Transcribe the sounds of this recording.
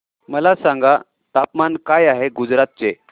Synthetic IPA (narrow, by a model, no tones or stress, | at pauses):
məlasãŋɡa | t̪apmankajaɦeɡud͡zɾat̪̚t͡se